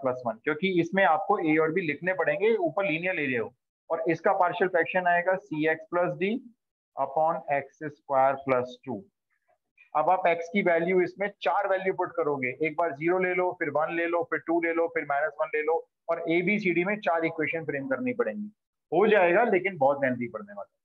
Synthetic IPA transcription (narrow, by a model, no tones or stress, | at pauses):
plɐsʋɐnkjõːkiɪsmẽaːp̚koeːɔːɾbʱilɪkʰnepɐɽẽːŋɡeuːpəɾliːnijəɾleːleɦo̰ː | ɔːɾɪskapaːɾʃəlfɛːkʃənaːeːɡasiːɛːksplɐs̬ɖiː | ɐ̰pɔːnɛːksɛskwaɪəɾplɐsʈṵː | ɐbaːpɛːkskiʋɛːljuɪsmẽt͡ʃaːɾʋɛːljupʊʈkɐɾoːɡeʔeːk̚baːɾziːɾoleːloːfɪɾʋɐnleːloːfɪɾʈuːleːloːfɪɾmaːɪnəsʋɐ̃nleːloː | ɔːɾeːbʱisiːɖimẽt͡ʃaːɾɪkweːʃə̃nfɾeːmkɐɾnipɐɽẽːŋɡiː | ɦod͡ʒaːeːɡaleːkɪ̃nbɔːt̪̚ɡɛːnd̪ipɐɽneʋa̰t̪a